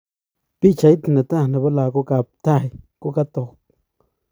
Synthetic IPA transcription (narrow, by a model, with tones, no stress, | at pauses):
pi˦t͡ʃa˧jt̪na˨t̪a˦˨na˨ba˦la˨ɡo˦ɡa˨p̚t̪a˦jku˦ɡa˦t̪o˨p̚